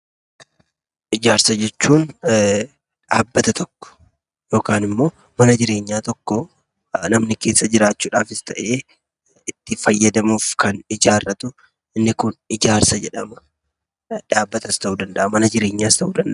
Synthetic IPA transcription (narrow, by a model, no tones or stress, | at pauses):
ʔɪd͡ʒaːɾsɐd͡ʒɛt͡ʃːuːn | ᶑaːbːɐt̪ɐt̪ʰɔkːɔ̥ | jo̞ːkaːnɪmːo̞ː | mɐnɐd͡ʒɪɾe̞ːɲːaːt̪ɔkːɔ | nɐmnɪke̞ːsːɐd͡ʒɪɾaːt͡ʃːuːᶑaːfɪst̪ɐʔe̞ː | ɪt̪ːɪfɐjːɐd̪ɐmuːfkɐnɪd͡ʒaːrːɐt̪ʊ | ʔɪnːɪkʊnɪd͡ʒaːɾsɐd͡ʒɛᶑɐmɐ | ᶑaːbːɐt̪ɐst̪ɐʔuːd̪ɐnd̪ɐʔɐmɐnɐd͡ʒɪɾe̞ːɲːaːst̪ɐʔuːd̪ɐnd̪